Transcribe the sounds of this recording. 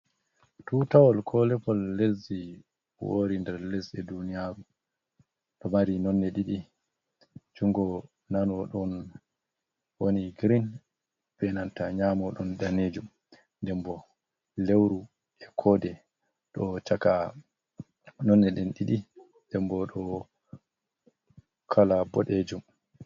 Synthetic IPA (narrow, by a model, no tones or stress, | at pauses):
tutawɔlkʰɔlɛpɔlːezi | wo̰ɾindɛɾlesɛdunijaɾu | ɗɔmaɾinɔnːɛɗiɗi | d͡ʒuŋɡɔ | nanɔɗɔn | woniɡɾin | bɛnantaɲamɔɗɔnɗaned͡ʒum | ndɛmbɔ | lewɾu | ɛkʰɔdɛ | ɗɔt͡ʃaka | nɔnːɛɗɛnɗiɗi | ndɛmbɔɗɔ | kʰalabɔɗed͡ʒum